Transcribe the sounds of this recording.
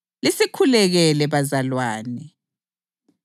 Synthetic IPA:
lisikʰulɛɣɛlɛβazalwaːnɛ

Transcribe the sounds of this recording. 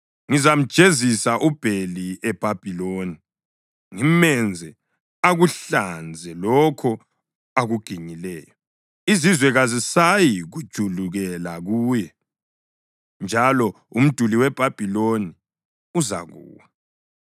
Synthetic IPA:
ŋizam̩d̥ʒ̥ʱezisaʔub̥ʱeliɛb̥ʱab̥ʱiloni | ŋimɛnd͡zʱɛ | aɣuɬand͡zʱɛlɔkʰɔ | aɣuɡ̥ʱiɲilɛːjɔ | izizwɛɣazisajiɣud̥ʒ̥ʱuluɣɛlaɣuːjɛ | nd͡ʒʱalɔ | um̩d̥ʱuliwɛb̥ʱab̥ʱiloni | uza̰ɣṵːwa

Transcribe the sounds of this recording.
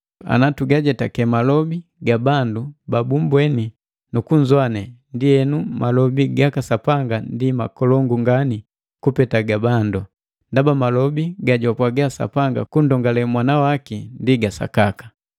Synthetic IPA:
a̰natuɡaɟɛtakɛmalɔbiɡabandubabumbwɛni | nukuɲzwanɛndiɛnumalɔbiɡakasapaŋɡandimakɔlɔŋɡuŋɡani | kupɛtaɡabandu | ndabamalɔbiɡaɟɔpwaɡaasa̰paŋɡa̰kundɔŋɡalɛmwanawakindiɡasa̰kakḁ

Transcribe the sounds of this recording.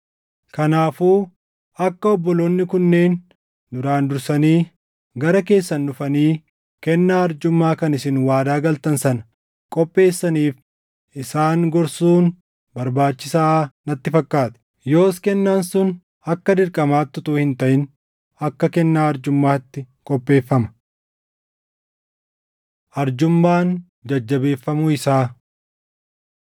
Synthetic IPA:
kɐnaːfuː | ɐkːɐɔbːɔlo̞ːnːɪkʊnːeːn | d̪ʊɾaːnd̪ʊɾsɐniː | ɡɐɾɐke̞ːsːɐnːʊfɐniː | kɛnːaːɐɾd͡ʒʊmːaːkɐnɪsɪnwaːd̪aːɡɐlt̪ɐnsɐnɐ̥ | kʼɔpʼːe̞ːsːɐniːf | ɪsaːŋɡɔɾsuːn | bɐɾbaːt͡ʃːɪsaːnɐt̪ːɪfɐkːaːt̪ɪ̥ | jo̞ːskɛnːaːnsʊn | ɐkːɐd̪ɪɾkʼɐmaːt̪ːʊt̪uːhɪnt̪ɐʔɪn | ɐkːɐkɛnːaːɐɾd͡ʒʊmːaːt̪ːɪ | kʼɔpʼːe̞ːfːɐmɐ̥ | ʔɐɾd͡ʒʊmːaːn | d͡ʒɐd͡ʒːɐbe̞ːfːɐmʊɪsaː

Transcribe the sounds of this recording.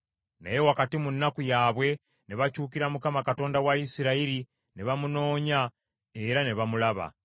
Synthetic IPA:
na̰je̞wakatimunːakujaːβwe̞ | neβacuːkiɾamukamakato̞ːndawaisiɾaiɾi | neβamuno̞ːɲa | e̞ɾane̞βamulaβa̰

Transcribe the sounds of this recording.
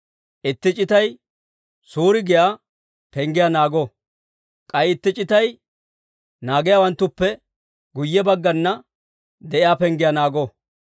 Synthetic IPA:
ʔɪt̪ːɪt͡ʃʼɪt̪ɐj | suːɾɪɡɪjaː | pɛŋɡɪjanaːɡɔ | kʼɐjɪt̪ːɪt͡ʃʼːɪt̪ɐj | naːɡɪjaːwɐnt̪ːʊpːɛ | ɡʊjːɛbɐɡːɐnːɐ | d̪ɛʔɪjaːpɛŋɡɪjanaːɡɔː

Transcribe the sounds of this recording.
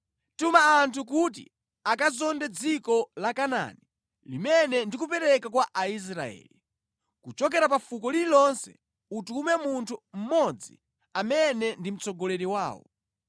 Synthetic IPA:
tumaːntʰuk̬ut̬ḭ | akazɔndɛd͡zikɔlakana̰ni | limɛnɛndik̬upɛɾɛkakwaʔais̬ɾa̰ɛ̰ːli | kut͡ʃɔk̬ɛɾapafukɔlilɔnsɛ̰ | utumɛmuntʰum̩mɔd͡zḭ | amɛnɛndim̩t͡sɔɡɔlɛɾiwaːwɔ̰

